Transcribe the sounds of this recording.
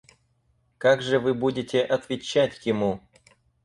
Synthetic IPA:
kaɡʐɨvɨbudʲɪtʲeʔɐt̪vʲɪt͡ɕatʲjɪmu

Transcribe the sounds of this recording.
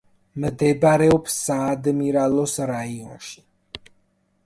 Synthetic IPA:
md̪ɛbaɾɛɔpsːaːd̪miɾalɔsɾaiɔnʃi̥

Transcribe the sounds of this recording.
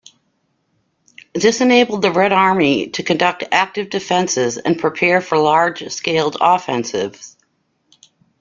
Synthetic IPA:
ðɪsɨneɪbl̩ˠd̪̚ðɨɹɛɾɑɹmiɾɨkʰɨ̃ndʌk̚tʰæk̚tɨvdɨfɛ̃nsɪzɨ̰̃npʰɹ̥ipʰɛɹfə˞lɑɹd̥ʒ̥skeɪlˠdɔfɛ̃nsɪ̰vz̥

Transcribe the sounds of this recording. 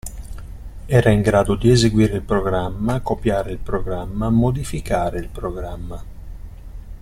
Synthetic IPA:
ɛːɾaiŋɡɾaːd̪od̪iezeɡwiːɾeilpɾoɡɾamːakopjaːɾeilpɾoɡɾamːamod̪ifikaːɾeilpɾoɡɾamːa

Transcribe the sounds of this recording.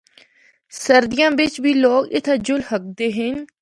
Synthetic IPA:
səɾd̪ɪjãːʋɪt͡ʃʋiːloːkɪ̰t̪ʰad͡ʒʊlhək̚d̪eːɦɪɲ

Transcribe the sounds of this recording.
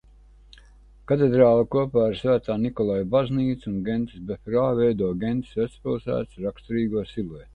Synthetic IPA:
kat̪̬ed̪ɾaːlˠakuɔpaːɾsvæːt̪aːnikɔlˠajbazniːt̪sunɡent̪i̥sbefɾaːvɛjd̪uɔɡent̪i̥svæt̪spilˠsæ̰ːt̪sɾakst̪ɔɾiːɡuɔsile

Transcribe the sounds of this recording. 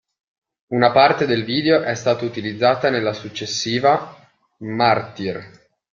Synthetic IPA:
unapart̪ed̪elviːd̪eoʔɛst̪aːt̪out̪ilid̪zːaːt̪anelːasut͡ʃːesːiːva | mart̪ir

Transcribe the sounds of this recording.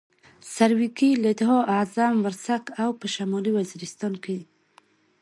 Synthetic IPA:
saɾwikilad̪ɦɔʔazamwaɾsakawpəʃamɑliwaziɾɪst̪ɑnke

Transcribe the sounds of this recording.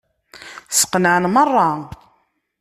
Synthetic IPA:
sə̥qnəʕənmərˤːɑ

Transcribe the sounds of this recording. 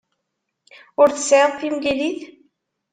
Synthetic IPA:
ʊɾθə̥sːʕəðˤθimɡiliθ

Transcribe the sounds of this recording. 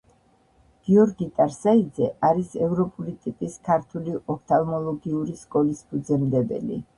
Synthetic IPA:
ɡ̥iɔɾɡit̪ʼaɾsaid̪zɛʔaɾisɛvɾɔpʼulit̪ʼipʼiskʰaɾt̪ʰuliʔɔkʰt̪ʰalˠmɔlˠɔɡiuɾiskʼɔlisbʰud̪zɛmd̪ɛbɛ̰lḭ

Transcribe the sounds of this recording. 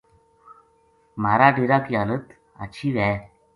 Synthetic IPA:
m̤aɾaːɖiɾakiːalət̪ | a̰t͡ɕʰiːʋaj

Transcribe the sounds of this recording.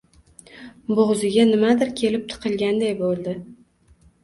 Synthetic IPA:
boʁzɪɡʲanɪmad̪ɪɾkʲʰe̞lɪp̚t̪ʰɨ̥qʰɨlˠɡʲand̪ajbolˠd̪ɪ

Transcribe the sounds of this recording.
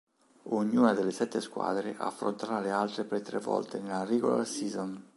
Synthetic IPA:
oɲːuːnad̪elːesɛt̪ːeskwa̰ːd̪ɾḛʔa̰ːafːɾo̰nt̪aɾalealt̪ɾepɾet̪ːɾevːɔ̰lt̪enelːariɡo̰la̰rsiːzon

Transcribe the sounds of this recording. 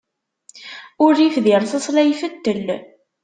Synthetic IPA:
ʊɾːifðɪɾθəsˤlæjfət̪ːəl

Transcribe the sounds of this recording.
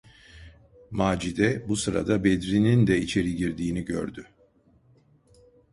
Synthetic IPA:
maːd͡ʒid̪ɛbusɯɾa̰d̪abed̪ɾinind̪ɛit͡ʃʰe̞ɾiɟiɾd̪iːniɟø̰ɾd̪y

